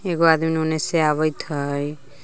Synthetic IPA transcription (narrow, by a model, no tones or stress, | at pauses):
eɡoad̪minuneseaβəjt̪ʰəj